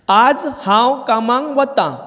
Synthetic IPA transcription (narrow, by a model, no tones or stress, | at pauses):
ad͡zhãwkamãŋʋət̪ã